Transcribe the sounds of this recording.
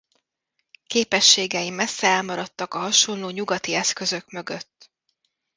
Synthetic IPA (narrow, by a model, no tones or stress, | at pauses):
keːpɛʃːeːɡɛimɛsːɛɛlmɒɾɒt̪ːɒkɒɦɒʃo̞nloːɲuɡɒt̪iɛskø̞zø̞kmø̞ɡøt̪ː